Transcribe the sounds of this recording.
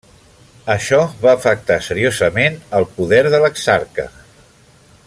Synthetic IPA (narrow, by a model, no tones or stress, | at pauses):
əʃɔβaːfək̚t̪asəɾiozəmenəlˠpuðɛɾðələksaɾkə̰